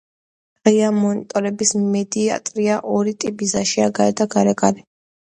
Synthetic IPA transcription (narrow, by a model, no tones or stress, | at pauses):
ʁiamɔnit̪ʼɔɾɛbismɛd̪ia̰t̪ʼɾiaʔɔɾit̪ʼibizaʃiaɡaɛd̪aɡaɾɛkʼalɛ